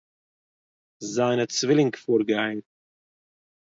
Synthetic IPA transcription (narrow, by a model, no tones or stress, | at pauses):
zaɪnət͡svɪlɪŋkfuːɾɡaɪn